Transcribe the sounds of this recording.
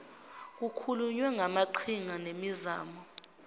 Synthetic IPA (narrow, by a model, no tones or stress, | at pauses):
k̬ukʰuluɲwɛŋamaǃʰiŋanemizaːmɔ